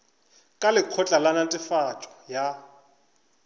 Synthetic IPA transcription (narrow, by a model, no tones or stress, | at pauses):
kʼalɪq͡χʰɔt͡ɬʼalanatʼɪfat͡ʃʼɔ̥ja